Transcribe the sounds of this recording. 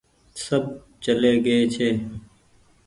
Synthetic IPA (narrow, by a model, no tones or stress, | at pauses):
səb̚ | t͡ʃəleːɡəeːt͡ʃʰeː